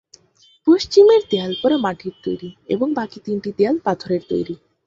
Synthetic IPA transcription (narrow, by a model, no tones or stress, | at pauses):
poʃt͡ɕimeɾt̪ealpɔɾamaʈʰiɾt̪o̰jɾiḛboŋbakit̪iɳʈit̪ealpat̪ʰoɾeɾt̪o̰jɾi